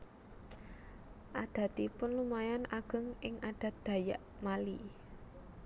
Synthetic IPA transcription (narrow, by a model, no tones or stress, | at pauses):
ʔad̪̥ä̤t̪ipʊnlumajanaɡ̥ə̤ŋʔɪŋad̪̥a̤t̪̚d̪̥a̤ja̰ʔmali